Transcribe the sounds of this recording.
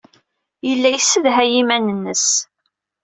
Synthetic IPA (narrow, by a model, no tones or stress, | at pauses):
jəlːæjsəðɦæjimænənːəs